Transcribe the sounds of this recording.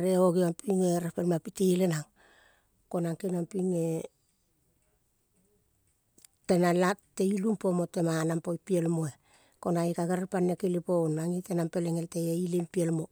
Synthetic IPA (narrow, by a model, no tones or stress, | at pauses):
ɾeoɡiampiŋeɾepelmapiteilenaŋ | ko̞naŋkinampiŋe̞ | tenalatːe̞ilumpo̞mo̞te̞manampojpielmoe | ko̞naikaɡeɾepanːekeliponaŋitenampe̞leŋelteeilempielmo̞